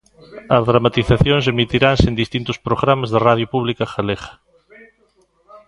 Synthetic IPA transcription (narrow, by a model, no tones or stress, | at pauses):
ɐzðɾamat̪iθaθjõŋsemit̪iɾaŋsend̪ist̪int̪ʊspɾoɣɾamazðeraðjopuβlikaxaleɣɐ̥